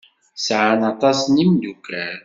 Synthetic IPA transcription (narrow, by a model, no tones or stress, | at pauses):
sʕanɑt̪ˤɑsnimd̪ukːæɾ